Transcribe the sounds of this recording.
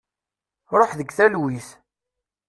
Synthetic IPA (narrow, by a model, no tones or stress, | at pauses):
ɾˤoħðəɡθælwiθ